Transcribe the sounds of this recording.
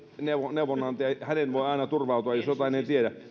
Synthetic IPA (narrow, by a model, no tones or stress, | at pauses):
neʋoneuʋonːɑnt̪eɑhænenʋoiɑˑinɑt̪urʋɑut̪uɑjosjot̪ɑinent̪iedæ